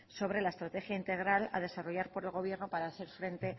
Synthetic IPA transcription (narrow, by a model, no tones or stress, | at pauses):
so̞β̞ɾe̞laest̪ɾat̪e̞xjaint̪e̞ɣ̞ɾala̰ð̞e̞saro̞ʝaɾpo̞ɾe̞lɣo̞β̞je̞ɾnopaɾaːθe̞ɾfɾe̞nt̪e̞